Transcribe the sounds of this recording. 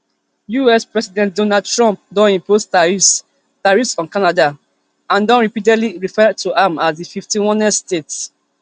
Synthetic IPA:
juɛspɹɛsidɛ̃nt̚dɔ̃nad̚tɹɔ̃mp̚dɔ̃nĩmpʰos | taɹisɔ̃nkanada | ãndɔ̃nɹipidɛdliɹifɛd̚tuʔamasdififtĩwɔ̃nɛstet

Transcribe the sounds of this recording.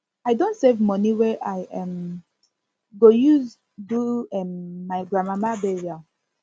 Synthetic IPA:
aɪdõntsevmɔniwɛʔaɪʔɛ̃m | ɡojuz | duɛ̃mːaɪɡɹamamabɛɹia

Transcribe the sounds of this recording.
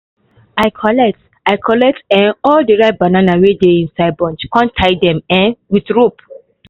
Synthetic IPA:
aɪkʰɔlɛk̚t | ajkʰɔlɛk̚tɛ̃nɔldəɹat̚bananawedeĩnsaɪbɔ̃nd͡ʒkɔ̃ntʰːaɪdɛ̃mɛ̃nwitɹup

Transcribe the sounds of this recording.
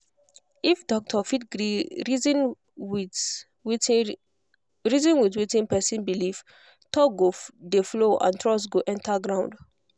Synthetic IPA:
ifdɔk̚tʰɔfitɡɹiɹizĩn | wi | ɹizɔ̃nwitwitĩnpɛsĩnbilif | tɔɡodefloʔã̰ntɹɔsɡoʔɛ̃ntʰaɡɹãʊ̃nd

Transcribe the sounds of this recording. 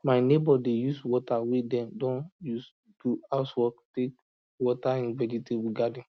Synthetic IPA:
maɪnebɔdejuswɔtawedɛ̃ndɔ̃njus | duaʊtwɔktek̚ | wɔtaĩnvɛd͡ʒitebuɡadĩn

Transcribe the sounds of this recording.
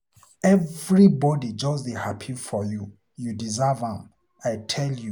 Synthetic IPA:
ɛvɹibɔdid͡ʒɔsihapʰifɔju | judizavãm | ajtʰɛlju

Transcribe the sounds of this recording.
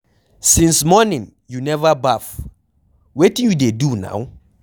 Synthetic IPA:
sĩnsmɔnĩn | junɛvabaf | wetĩnjudeduna̰w

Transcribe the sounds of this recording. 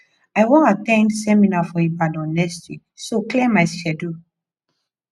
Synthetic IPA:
ajwɔ̃natɛ̃ndsɛminafɔebadɔ̃nɛsti | soklemaɪʃɛdu

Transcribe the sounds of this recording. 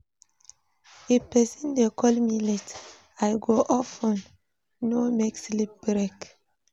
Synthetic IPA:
epɛsɔ̃ndekʰɔlmilet | ajɡoʔɔfɔ̃n | nomekslip̚bɾɛk

